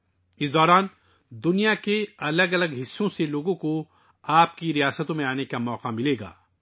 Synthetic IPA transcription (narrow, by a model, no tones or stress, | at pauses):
ɪsd̪ɔːɾaːn | d̪ʊnijakeɐləɡɐləɡɦɪsːõseloːɡõko | aːp̚kiɾijaːsət̪õmẽaːnekamɔːqamɪleːɡa̰ː